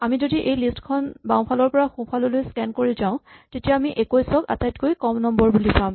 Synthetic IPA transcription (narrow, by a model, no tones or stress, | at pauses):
amizodiʔejlistkʰɔnbaw̃pʰalɔɹpɔɹaxũpʰalɔlojskɛnkoɹizãʊ̃tetijaːmiʔekojsɔka̰tajtkojkɔmnɔmbɔɹbulipam